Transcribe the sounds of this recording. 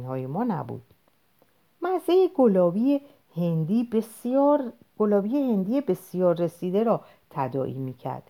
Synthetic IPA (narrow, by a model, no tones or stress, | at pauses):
nhɒːjemɒːnæ̰bṵd̪̥ | mæzejeɡolɒːbie | hend̪iː | ɡ̥olɒːbiːjehe̞nd̪iːebe̞sijɒːɾːe̞siːd̪eɾɒː | t̪ʰæd̪ɒ̰ːʔḭːmiːcʰæ̰ɾd̪̥